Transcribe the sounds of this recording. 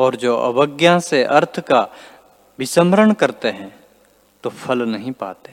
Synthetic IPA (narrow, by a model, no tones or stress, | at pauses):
ɔːɾd͡ʒoːʔɐ̰ʋəɡjãseʔɐɾt̪ʰka | bɪsəmɾəɳkɐɾt̪eɦɛ̃ | t̪opʰɐlnɐɦĩpa̰ːt̪e̥ː